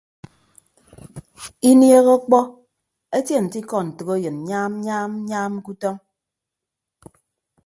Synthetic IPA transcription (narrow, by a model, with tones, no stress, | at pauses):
i˦nje˦ɣɔ˦k͡pɔ˦ | e˦te˦˨n̩˨ti˦kɔ˦˨n̩˨tɨ˨ɣo˦jɨ˨n̩˨ɲaː˦m˦ɲaː˦m˦ɲaː˦m̩˦ku˦tɔ˦ŋ